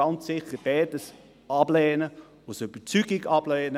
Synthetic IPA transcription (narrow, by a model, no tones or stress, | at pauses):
ɑnsɪχəb̥ɛːdəs | ʔɑblɛːnə | osoyb̥ət͡syɡɪɡɑb̥lɛːnə